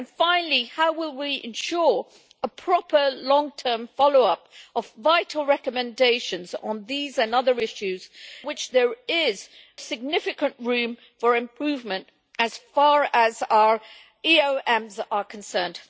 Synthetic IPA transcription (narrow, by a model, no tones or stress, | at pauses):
ə̃nfãɪ̃nl̩ˠihaʊwɪlˠwiʔɪ̰̃nʃʊɹ | əpʰɹ̥ɑpə˞lɔ̃ŋtʰɜ̃˞ɱfɑlˠoʊʌpəvːaɪʔˡl̩ˠɹɛkəmɨ̃ndeɪʃɨ̃nzn̩ðizɨ̃nʌðə˞ɪʃʉz̥wɨt͡ʃðə˞ɪz̥ | sɨɡ̚nɪfɨkə̃nʔɹʉ̃ɱ | fə˞ɨ̃mpʰɹ̥ʉvmɨ̃nt | ɨz̥fɑɹəzaʊə˞ | ioʊʔɛ̃mzə˞kʰnsɜ̃˞nd̥